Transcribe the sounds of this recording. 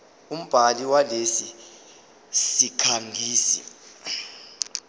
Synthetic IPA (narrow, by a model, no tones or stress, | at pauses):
um̩b̥ʱaliwalesi | sikʰaŋɡʱiːsḭ